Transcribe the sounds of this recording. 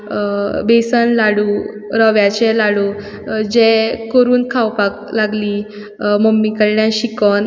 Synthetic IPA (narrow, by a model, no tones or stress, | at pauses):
besənlaɽu | ɾəʋjat͡ɕɛlaɽu | d͡ʑɛkəɾuːnkʰawpaklaɡliː | mɔmːikəɾljãɕikɔn